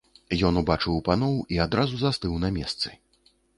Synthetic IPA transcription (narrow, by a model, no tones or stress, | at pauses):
jɔnubat͡ʂɨwpanɔwiad̪ɾazuzast̪ɨwnɐmʲɛst̪sɨ̥